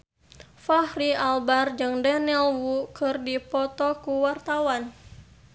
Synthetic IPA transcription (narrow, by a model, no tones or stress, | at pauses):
fahɾialbard͡ʒɨŋdɛnɛlwukɨrdipɔt̪ɔkuwart̪awan